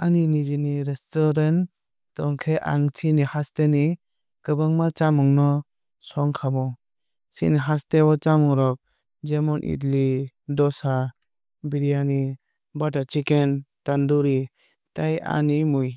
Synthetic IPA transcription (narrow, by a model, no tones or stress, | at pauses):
aninid͡ʒiniɾestɔɾen | tɔŋkʰeʔa̰ŋtʰinihasteni | kɯbɯŋmat͡ʃamɔŋnɔ | sɔŋkʰamɔ | sḭniɦastebɔt͡ʃamɔŋɾɔk̚ | d͡ʒemɔnʔḭtli | dɔsa | biɾijani | bataɾt͡ʃʰikentanduɾi | taja̰nimuj